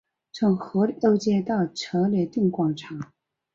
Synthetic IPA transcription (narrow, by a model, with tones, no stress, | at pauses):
t͡sʰʊ˧˥ŋxɤ˧˥lo˥˧ʊt͡ɕjɛ˥˧t̪ɑ˥˩ʊʈ͡ʂʰɤ˧˥lɛ˧˥t̪i˥˩ŋkwɑ˥˩ŋʈ͡ʂʰa˨˧˥